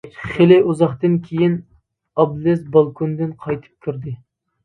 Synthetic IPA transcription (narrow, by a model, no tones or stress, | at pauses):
χelɪuzɑχt̪ɨnkʲʰejin | ɑblɪsbɑlˠkʰund̪ɨnqʰɑjt̪ʰɨ̥p̚kʲʰyɾd̪ɪ